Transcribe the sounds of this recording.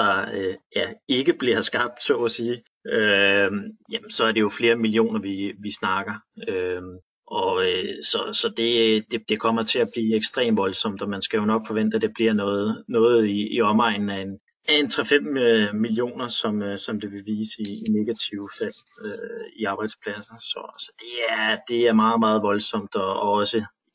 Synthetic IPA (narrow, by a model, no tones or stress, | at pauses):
d̥ɑ̈jæe̝ɡ̥əb̥liɐ̰sɡ̥ɑ̈b̥̚d̥sɔ̰ːɒsiː | ø | jæmnsɒ̽æɐɾe̝jo̝fle̝ːɐmilio̝̰ːnɐʋiʋisnɑ̈ɡ̥ɐøm | ʔɒ̽sɒ̽sɒ̽d̥e̝d̥e̝d̥e̝kʰɒ̽m̰ɐt͡sʰe̝læb̥liːeɡ̥sd̥ʁḛːmʋɒ̽lsɒ̽m̰d̥ɒ̽mænsɡ̥æjo̝nɒ̽ɡ̥fɒ̽ʋen̰d̥æd̥e̝b̥liɐ̰nɔːð̩ˠnɔ̽ːð̩ˠiːɒ̽mɑ̈ɪ̰nn̩æen | æe̝nt͡sʰʁɛfem̰ømilio̝̰ːnɐsɒ̽møsɒ̽md̥e̝ʋe̝ʋiːsəiine̝ɡ̥æt͡sʰiʊfæl̰øiɑ̈ːb̥ɑ̈ɪd̥spʰlæsɐsɒ̽sɒ̽d̥e̝æɐd̥e̝æɐmɑ̈ːð̩ˠmɑ̈ːð̩ˠʋɒ̽lsɒ̽m̰d̥ɒ̽ɒɒ̽sə